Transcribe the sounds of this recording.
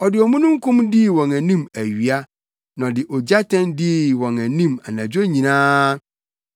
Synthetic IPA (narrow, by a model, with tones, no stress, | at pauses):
ɔ˨dɪ˨ɔ˨mũ˦nũ˦ŋ˦kʰũ˦mdɪ˦˨wɔ̃˨næ˨nĩ˦mæ˨ɥi˨a˦ | nã˨dɪ˨ʔɔ˨d͡ʑa˦tʰɛ̃˦ndɪ˦˨wɔ̃˨næ˨nĩ˦˨ma̰˨nã˨d͡ʑᶣo˦ɲĩ˨nãː˦